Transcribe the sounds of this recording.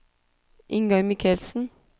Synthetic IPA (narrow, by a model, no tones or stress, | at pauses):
ʔɪŋɡɑʏmɪkʰəlsn̩